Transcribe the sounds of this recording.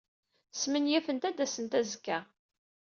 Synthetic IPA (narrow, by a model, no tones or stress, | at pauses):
smənjæfənt̪æd̪æsənt̪æzkːæ